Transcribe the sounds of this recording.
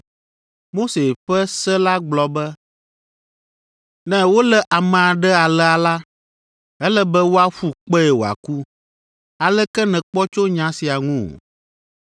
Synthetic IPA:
mo˦se˨ɸɛ˦sɛ˦la˦ɡ͡blɔ˨bɛ˦ | nɛ̃˦wo˦lɛ˦ʔa˨mɛ̃˨a˨ɖɛ˦a˨lɛ˦a˨la˦ | ɛ˦lɛ˦bɛ˦wo˦a˦ɸu˦k͡pɛ˦ɛ˨wo˨a̰˨ku˦ | a˨lɛ˦kɛ˦nɛ̃˨k͡pɔ˦t͡ʃo˦ɲã˦si˨a˨ŋũ˦˨

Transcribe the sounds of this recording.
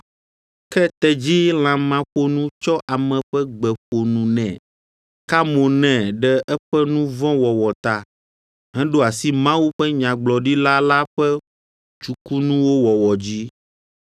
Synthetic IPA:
kɛ˦t̪ɛ˨d͡ʑi˦l̃ã˨mã˨ɸo˦nũ˦t͡ʃɔ˦ʔa˨mɛ̃˨ɸɛ˦ɡ͡bɛ˨ɸo˨nũ˨nɛ̃˨ | ka˦mõ˨nɛ̃˨ɖɛ˦ʔɛ˦ɸɛ˦nũ˦vɔ̃˦wɔ˨wɔ˨t̪a˨ | ɦɛ̃˦ɖo˦a˨si˦mã˦wu˦ɸɛ˦ɲã˨ɡ͡blɔ˨ɖi˦la˦la˦ɸɛ˦ | t͡ʃu˨ku˦nũ˦wo˦wɔ˨wɔ˨d͡ʑi˦

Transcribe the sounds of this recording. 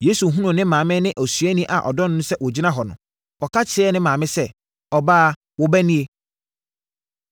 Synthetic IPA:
jeː˨˦su˨ɦũ˦nʊ̃˨nɪ̃˦mãː˨mɪ̃˦nɪ̃˦ʔæ˨sɥæ˦nĩ˦ʔa˨ʔɔ̰˨dɔ˦nʊ̃˦nʊ̃˦sɛ˦wɔ˨d͡ʑi˦nã˦ɦɔ˨nʊ̃˨ | wɔ˨kʰa˦t͡ɕʰɪ˨˦ɛ˦nɪ̃˦mãː˨mɪ̃˦sɛ˦ | ɔ˨baː˦ | wɔ˦bæ˦nĩ˦e˦

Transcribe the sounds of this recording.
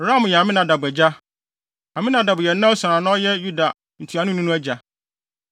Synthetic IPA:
ɾã˦˨m˨jɛ˨a˨mɪ̃˦nã˨da˨bɛ˨d͡ʑa˦ | ã˨mɪ̃˦nã˨da˨bʊ˨jɛ˨˦nã˦sa˨ã˨nã˦ɔ˦jɛ˦ju˦da˨ | n̩˨tʰu˨˦a˨nʊ̃˦nũ˦nʊ̃˦æ˦d͡ʑa˨

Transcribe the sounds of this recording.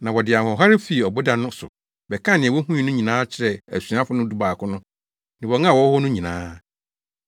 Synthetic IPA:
nã˨wɔ˨dɪ˨a˨hɔ̃˨ɦa˦ɾɪ˦fi˨ɔ˨bo˦dã˨nʊ̃˦sʊ̰˨ | bɛ˨kʰã˦˨nɪ̃˨wɔ˦ɦũ˦ĩ˨˦nʊ̃˦ɲĩ˨nãː˦t͡ɕʰɪ˨ɾɛ˨æ̰˨su˨˦ã˦fʊ˦nʊ̃˦du˦ba˨kʰʊ̃˦nʊ̃˦ | nɪ̃˨wɔ˨ŋã˦˨wɔ˦hɔ˦nʊ̃˦ɲĩ˨nãː˦

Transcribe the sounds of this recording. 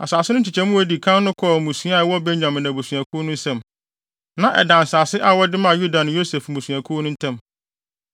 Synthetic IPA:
a˨saː˨sɪ˦nʊ̃˦t͡ɕʰi˨t͡ɕʰɛ˦mʊ̃˦æ˦˨di˨kʰã˦nnʊ̃˦kʰɔ˦˨mũ˨sũ˦a˦˨˦wɔ˦be˦ɲɲã˨mɪ̃˨nã˨bu˨su˨æ˨kʰʊ˦nʊ̃˦n̩˦sɛ̃˦˨m | nã˨ʔɛ̰˨dã˨n˨saː˨sɪ˦ʔa˦wɔ˦dɪ˦mã˦˨ju˦da˨nʊ̃˨jo˦se˨fmũ˨su˨æ˨kʰʊ˦nʊ̃˦n̩˦tʰɛ̃˦˨m

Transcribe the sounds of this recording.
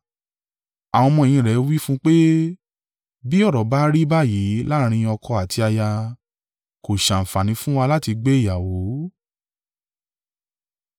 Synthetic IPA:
a˨wɔ̃˧mɔ̃˧e˨j̃ĩ˧ɾɛ˨˦wi˦fũ˦k͡pe˦ | bi˦ɔ˦˨ɾɔ˨ba˨˦ɾi˦ba˦˨ji˨˦la˦ɾ̃ĩ˧ɔ˧kʰɔ˧a˨tʰi˧a˧ja˧ | ko˨ʃã˨n̩˨fa˨nĩ˨˦fũ˦wa˧la˦ti˧ɡ͡be˦i˦˨ja˨wo˨˦

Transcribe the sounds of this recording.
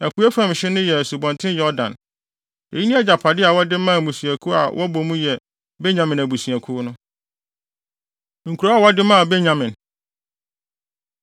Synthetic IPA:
æ˨kʰu˨˦ɛ˦fã˦m˨ɕɪ˦nʊ̃˦jɛ˨su˨bɔ̃˨ntʰɪ̃˦njɔ˦dã̰˨n | e˨ji˦nĩ˦ɛ˦d͡ʑa˨pʰa˨dɪ˦a˨wɔ˦dɪ˦mã˦˨mũ˨su˨æ˨kʰu˦a̰˨wʔɔ˦bɔ˨mũ˦jɛ˨ | bɛ˦ɲã˨mɪ̃˨næ˨bu˨su˨æ˨kʰu˦nʊ̃˦ | ŋ̩˨kʰu˨ɾa˨˦a˦˨wɔ˦dɪ˦mã˦a˨bɛ˦ɲã˨mɪ̃˨n

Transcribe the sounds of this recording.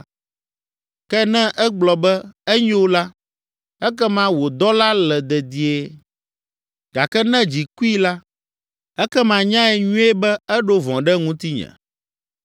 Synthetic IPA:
kɛ˦nɛ̃˦ʔɛ˦ɡ͡blɔ˨bɛ˦ɛ˦ɲɛ̃˦wo˦la˦ | ɛ˦kɛ˦mã˦wo˨d̪ɔ˦la˦lɛ˨d̪ɛ˨d̪i˨e˦ | ɡ̥a˨kɛ˦nɛ̃˦d͡ʑi˨ku˦i˦la˦ | ɛ˦kɛ˦mã˨ɲã˦ɛ˨ɲũ˦e˦bɛ˦ɛ˦ɖo˦vɔ̃˨ɖɛ˦ŋũ˦t̪i˦ɲɛ̰̃˨

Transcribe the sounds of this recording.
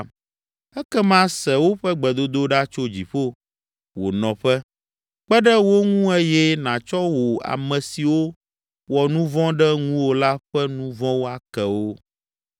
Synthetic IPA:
ɛ˦kɛ˦mã˦sɛ˨wo˦ɸɛ˦ɡ͡bɛ˨d̪o˦d̪o˦ɖa˦t͡ʃo˦d͡ʑi˨ɸo˦ | wo̰˨nɔ̃˨ɸɛ˦ | k͡pɛ˦ɖɛ˦wo˦ŋũ˦ɛ˦jɛ˦nã˨t͡ʃɔ˦wo˨a̰˨mɛ̃˨si˨wo˦ | wɔ˨nũ˦vɔ̃˦ɖɛ˦ŋũ˦wo˦la˦ɸɛ˦nũ˦vɔ̃˦wo˦a˨kɛ˨wo˦

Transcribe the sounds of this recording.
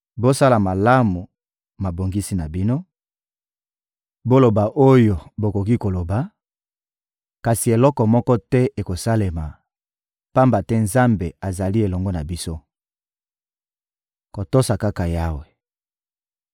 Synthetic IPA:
bo˦sa˦la˨ma˨la˦mu˨ | ma˨bo˨ŋɡi˦si˦na˨bi˦no˦ | bo˦lo˨ba˨ʔo˦jo˨bo˨ko˨ki˦ko˨lo˨ba˨ | ka˨si˨e˨lɔ˦kɔ˨mɔ˦kɔ˦tɛ˦ʔe˨ko˨sa˦le˨ma˨ | pa˦mba˨tɛ˦nza˦mbe˨a˨za˨li˦e˨lɔ˨ŋɡɔ˦na˨bi˦so˦ | ko˨to˦sa˨ka˦ka˨ja˦we˨

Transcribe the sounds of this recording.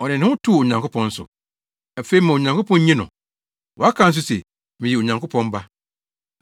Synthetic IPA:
ɔ˨nɪ̃˨nɪ̃˦ʊ̃˦tʰu˦˨o˨ɲã˨ŋkʰʊ˦pʰɔ̃˦n̩˦sʊ̰˨ | a˨fe˦i˨˦mã˨o˨ɲã˨ŋko˦pʰɔ̃˦n˦ɲĩ˦nʊ̰̃˨ | wɔ˨a˦kʰã˦n̩˦s̬ʊ˦sɛ˨ | mɪ̃˨ji˨o˨ɲã˨ŋko˦pʰɔ̃˦m˦ba˦

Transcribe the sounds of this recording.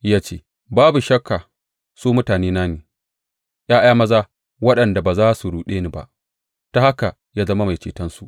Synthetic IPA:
jaː˦t͡ʃeː˦˨ | baː˦bu˨ʃɐ˦kʰːa˨ | suː˦mʊ˦taː˨neː˦naː˦neː˨ | j̰aː˦j̰aː˦mɐ˦zaː˦ | wɐ˦ɗɐ˨nda˨baː˨zaː˦su˨ɽuː˨ɗeː˦ni˦ba̰˨ʔ | ta˦ha˦ka˨ | jaː˦zɐ˦ma˦ma˨t͡ʃeː˨tɐ˦nsu˨ʔ

